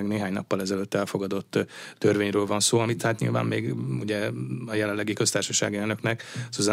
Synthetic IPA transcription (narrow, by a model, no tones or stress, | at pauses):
ɛɡneːɦaːɲnɒpːɒlɛzɛløt̪ːɛlfo̞ɡɒd̪o̞t̪ːørveːɲrøːlvɒnsoːɒmit̪haːt̪ɲḭlva̰ːmmeːɡṵɟɛɒjɛlɛnlːɛɡikø̞st̪aːrʃɒʃa̰ːɡiɛlnø̞knɛkuzɛ